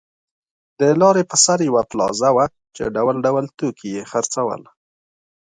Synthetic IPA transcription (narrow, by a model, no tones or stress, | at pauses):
d̪əlɑɾepəsaɾjawaplɑ̰zawa | t͡ʃḛɖawəlɖawəlt̪okʰijexaɾt͡sawə̰l